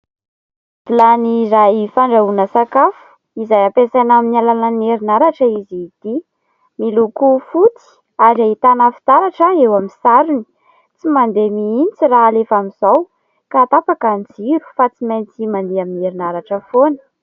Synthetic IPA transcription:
d̪̥ilaniraifaɳɖ͡ʐaunəsakafu̥ | izajapesanaminialananeɾinaɾaʈ͡ʂəizit̪i | milukufut͡si̥ | aɾait̪anafi̥t̪aɾaʈ͡ʂəewamisaɾuni̥ | t͡simand̪emiint͡siraːlefamizaw | kaːt̪apakand͡ziɾu̥fat͡simajnt͡simand̪eamineɾinaɾaʈ͡ʂəfonə̥

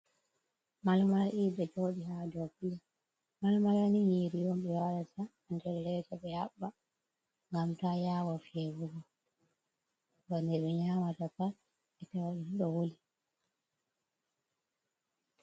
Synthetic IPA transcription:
malmalʔiɓɛt͡ʃoɗiɦadɔkija | malmalanijeɾijɔmɓɛwalataːndɛllɛtaɓɛhaɓːa | ŋɡamtajaːwɔfiɛvuɡɔ | dɔnɛɗɛɲaːmatata | ɛtɛwaɗiniɗɔwoli

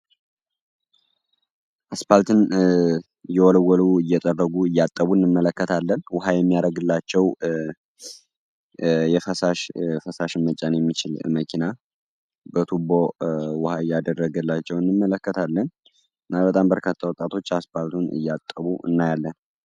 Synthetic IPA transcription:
ʔaspalt̪ʰɨn | ɨjɛwɔləwːɔluɨjːɛt̪ʼərːəɡuɨjːat̪ʼːəβuɨnːɨmːələkːət̪ʰalːənwʊɦajɛmːijaɾəɡɨlːat͡ʃːɛw | jɛfəsaʃfəsaʃmːət͡ʃʼanjɛmːit͡ʃɪlməkʰina | bət̪ʰubowʊhaɨjːad̪ərːəɡɨlːat͡ʃːɛwɨnːɨmːələkːət̪ʰalːən | ɨnːaβbət̪ʼambəɾkʰat̪ʰːawɔt̪ʼat̪ʰo̞t͡ʃːaspalt̪ʰunɨ̰jːat̪ʼːəβuʔɨ̰nːajalːən

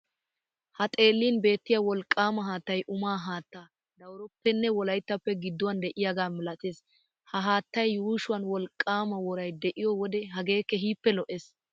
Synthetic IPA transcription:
hɐt̪ʼe̞ːlːiːnbe̞ːt̪ːɪjawɔlkʼːaːmɐɦaːt̪ːɐjʔʊmaːɦaːt̪ːaː | d̪ɐwɾɔpːɛnːɛwɔlɐjt̪ːɐpːɛɡɪd̪ːʊwand̪ɛʔɪjaɡaːmɪlɐt̪ʼeːs | hɐɦaːt̪ːɐjːuːʃʊwɐnwɔlkʼːaːmɐwɔɾɐjd̪ɛʔɪjɔwɔd̪ɛɦɐɡe̞ːkːɛɦiːpːɛlɔʔes

